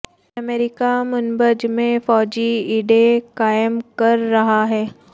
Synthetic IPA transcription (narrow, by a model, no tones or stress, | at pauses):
ɐmeːɾikamʊnbəd͡ʒmẽfɔːd͡ʑiiːɖekaːɪmkɐɾːɐɦaɦɛː